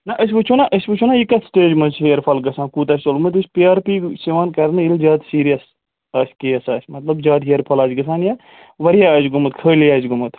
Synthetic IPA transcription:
nɐʔɐs̬ʲʋɨt͡ʃʰunaʔɐsʋɨt͡ʃʰunaikɐsʈeːd͡ʒmɐzɦejɐɾpʰɐlɡɐsaːnkuːt̪ɐːsʲt̪olɡmɐt̪ɨt͡ʃʲpiaːɾpiːsiʋaːnkɐɾnɨilzʲaːd̪siːɾijɐs | aːskejɐsaːʃʲmɐt̪lɐbzʲaːd̪ɦejɐɾpʰɐlaːt͡ʃɡɐs̬aːnja | ʋɐɾijaɐːt͡ʃɡumɨt̪kʰəːljaːt͡ʃɡumɨt̪

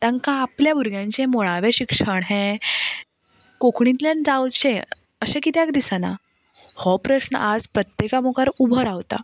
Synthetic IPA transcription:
t̪ãŋkãːpljabʱuɾɡʱjãɲt͡ɕẽmoɭaʋeɕikʂəɳɦẽ | kokʰɳĩt̪ljãnd͡zawt͡ɕẽəɕẽkit̪jakd̪isana̰ | hɔpɾəɕnə̰ʔad͡zpɾət̪jekamokaɾubʱəɾaʋt̪a̰

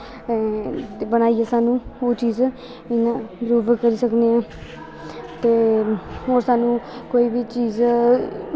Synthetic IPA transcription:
t̪ebəñaːiaːsaːnũːoːt͡ʃiːz | ɪnãːɾuːbkəɾiːsəkneãː | t̪eːɦoːɾsaːnũːkoːiːbiːt͡ʃiːz

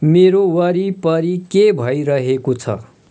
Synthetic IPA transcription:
meɾowʌɾipʌɾikebʱʌjɾʌɦekot͡sʰʌ̰

